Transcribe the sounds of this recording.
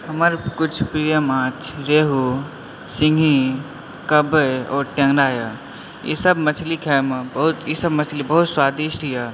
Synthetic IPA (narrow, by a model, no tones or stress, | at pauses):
ɦɐməɾkʊt͡ʃʰpɾiːjəmãːt͡ʃʰɾeːɦu | sɪ̃ŋɡʱi | kɐbəɔːɾʈẽŋɡɾaːja | jḛsɐbmɐt͡ʃʰlikʰɛːmbɐɦʊt̪jisɐbmɐt͡ʃʰlibɐɦʊt̪swaːd̪iːʃʈijaː